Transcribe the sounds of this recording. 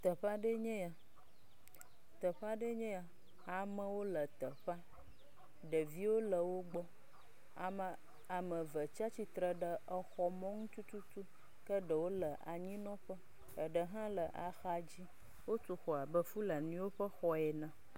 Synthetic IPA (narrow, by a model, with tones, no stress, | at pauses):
t̪ə˨ɸa˦ɖə˦ɲɛ̃˦a˨ | t̪ə˨ɸa˦ɖə˦ɲɛ̃˦a˨ | a˨mə̃˦wo˦lə˨t̪ə˨ɸa˦ | ɖə˨vi˦wo˦lə˨wo˦ɡ͡bɔ˦ | a˨mə˨ | a˨mə̃˨və˨t͡ʃa˦t͡ɕi˨t̪ɾə˨ɖə˨ʔə˨xɔ˨mɔ̃˦ŋũ˦t͡ʃu˦t̪u˦t̪u˦ | kə˦ɖə˨wo˦lə˨ʔa̰˨ɲĩ˦nɔ̃˦ɸə˦ | ə˨ɖə˨ɦã˦lə˨ʔa˨xa˨d͡ʑi˦ | wo˦to˨xɔ˨a˨bə˦fu˦lə˨nĩ˦wo˦ɸə˦xɔ˦ɛ˨nã˨